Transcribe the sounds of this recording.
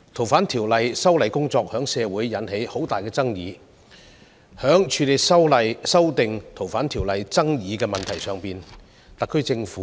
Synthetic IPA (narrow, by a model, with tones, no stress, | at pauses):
t̪ʰo˨˩wfaː˨˥nt̪ʰiː˨˩wlɐ˨jsɐ˥wlɐ˨jkʊ˥ŋt͡sɔː˧k̚hœː˨˥ŋsɛː˨˧wuː˨˥jːɐ˨˥nhe˨˥jho˨˥wt̪aː˨jkɛː˧t͡sɐ˥ŋjḭː˨˧ | hœː˨˥ŋt͡ʃʰyː˨˧le˨jsɐ˥wlɐ˨jsɐ˥wt̪ɪ˨˧ŋt̪ʰo˨˩wfaː˨˥nt̪ʰiː˨˩wlɐ˨jt͡sɐ˥ŋjiː˨˧kɛː˧mɐ˨nt̪ʰɐ˨˩jsœː˨˧ŋpiː˨n | t̪ɐ˨kʰːɵ˥ɥt͡sɪ˧ŋfuː˨˦